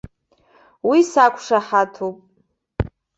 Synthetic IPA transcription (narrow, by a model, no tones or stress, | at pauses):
wisakʷʰʼʂaħatʰupʼ